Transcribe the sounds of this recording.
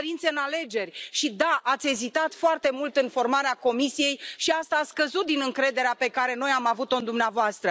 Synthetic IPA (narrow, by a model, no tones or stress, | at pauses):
ɾint̪se̞ɨnale̞d͡ʒe̞rʲʃid̪aʔat̪sʲe̞zit̪at̪foart̪e̞mult̪ɨnfo̞rmaɾeako̞misije̞jʃiast̪aːt̪skəzut̪̚d̪inɨŋkɾe̞d̪e̞ɾeape̞kaɾe̞no̞jamavut̪o̞ɨnd̪umneavoast̪ɾə